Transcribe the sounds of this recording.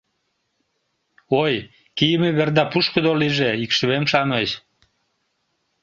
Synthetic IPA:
oj | kijəmeβerd̪ɑpuʃkəd̪oliʒeikʃəβemʃɑnəɕ

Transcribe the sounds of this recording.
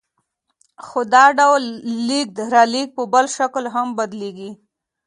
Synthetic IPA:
xod̪ɑɖawlːik̚d̪ɾɑlik̚pəbəlʃaklɦambad̪leɡi

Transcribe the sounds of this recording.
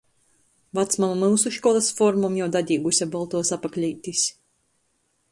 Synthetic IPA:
vat̪smamamɨwsuʃkɔlˠasfɔɾmɔmjawd̪ad̪ʲiːɡusʲabɔlˠt̪uɔsapaklʲijt̪ʲisʲ

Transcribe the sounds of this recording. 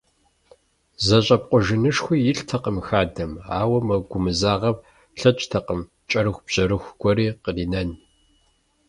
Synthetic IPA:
zɐɕʼɐp̚qʷʼʊʒɪnɨʂxʷijɪɬtʰɐqəmxaːdɐma̰ːwɐmɐɡʷʊmɨzaːʁɐp | ɬɐt͡ʃʼtʰɐqəm | t͡ʃʼɐɾɨxʷb̥ʑɐɾɨxʷɡʷɔɾiːqəriːnɐn

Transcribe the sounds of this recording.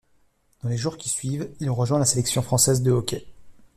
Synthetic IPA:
d̪̥ɑ̃leʒuʁkʲi̥sɥivilʁəʒwɛ̃laselɛksjɔ̃fχɑ̃sɛzd̪əɔkʲɛ

